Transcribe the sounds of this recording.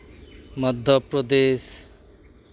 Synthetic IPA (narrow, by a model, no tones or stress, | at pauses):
mʌd̪ʱːʌpɾɔd̪es